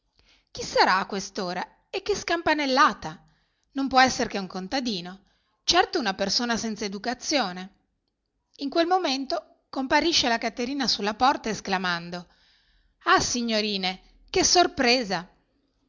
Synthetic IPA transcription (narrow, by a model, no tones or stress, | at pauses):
k̟isːaɾaːkːwest̪oːɾa | ekːeskampanelːaːt̪a | nompwɔɛsːeɾk̟euŋkont̪ad̪iːno | t͡ʃɛrt̪ounapersoːnasɛnt̪saed̪ukat̪sːjoːne | iŋkwelmoment̪o | kompaɾiʃːelakat̪ːeɾiːnasulːapɔrt̪aesklamand̪o | asiɲːoɾiːne | kesorpɾeːza